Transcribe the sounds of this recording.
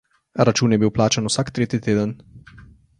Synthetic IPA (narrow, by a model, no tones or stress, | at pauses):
ɾat͡ʃuːnjɛbiwplaːt͡ʃanusaːkt̪ɾeːt̪it̪eːd̪ən